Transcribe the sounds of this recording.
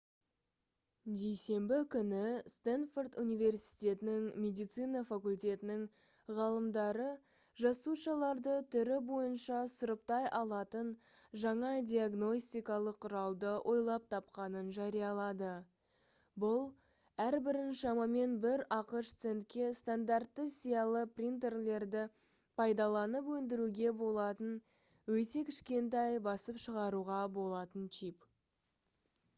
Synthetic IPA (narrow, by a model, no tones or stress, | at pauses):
d̪e̞jse̞mbɪkʲʰʏnɪst̪anfort̪unijve̞rsi̥jt̪ʲe̞t̪ɪnɪŋmʲe̞d̪ijt̪sɨjnɑfakulʲt̪ʲe̞t̪ɪnɪŋ | ʁɑlˠəmd̪ɑɾə | ʒɑsuʃɑlˠɑɾd̪ət̪ʰʏɾɪbo̞jənʃɑsʊɾəp̚t̪ɑjʔɑlˠɑt̪ən | ʒɑɴɑd̪ʲijaɡno̞sʲt̪ʲijkɑlˠəqʰːʊɾɑlˠd̪əwʔo̞jlˠɑp̚t̪ʰɑpqɑnənʒɑɾijɑlˠɑd̪ə | bʊlˠ | æɾbɪɾɪnʃɑmɑme̞nbɪɾɑqəʃt̪se̞nt̪̚kʲe̞st̪and̪art̪ːəsijɑlˠəprʲint̪e̞rle̞ɾd̪ɪ | pʰɑjd̪ɑlˠɑnəpwɵnd̪ɪɾuɡʲe̞bo̞lˠɑt̪ən | wɵt̪e̞kʲʰɪʃkʲe̞nt̪̬ɑjbɑsəpʃəʁɑɾuʁɑbo̞lˠɑt̪ənt͡ʃʰip